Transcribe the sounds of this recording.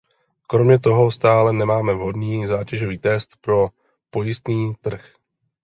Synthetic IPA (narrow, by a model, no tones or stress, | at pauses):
kɾo̞mɲɛt̪o̞ɦost̪aːlɛnɛmaːmɛvɦo̞dniːzaːcɛʒo̞viːt̪ɛst̪pɾo̞ | po̞jɪst̪niːt̪r̩x